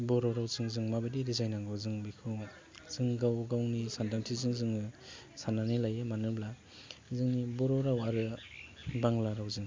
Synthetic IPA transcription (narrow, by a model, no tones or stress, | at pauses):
bɔɾɔɾawzɯŋzɯŋmabɯdiɾizajnaŋɡawzɯŋbikʰɯ | z̥ɯŋɡawɡawnisandaŋtʰizɯŋzɯŋɯ | sananilajɯmanɯbla | zɯŋnibɔɾɔɾawaɾɯ | baŋlaɾawzɯŋ